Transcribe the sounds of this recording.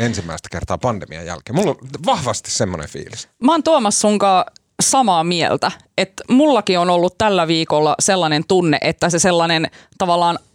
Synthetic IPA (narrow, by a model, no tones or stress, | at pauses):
ensimːæist̪æ̥kert̪ɑ̰ːpɑnd̪emiɑ̰jæ̰lkeːmulːolʋɑhʋɑst̪i̥ssemːonḛfḭːlismɑːnt̪uomɑsːuŋkɑː | sɑmɑːmiḛlt̪æ | et̪mulːɑkionolːut̪t̪ælːæʋiːkolːɑselːɑnent̪unːḛʔet̪ːæseselːɑnent̪ɑʋɑlːɑːn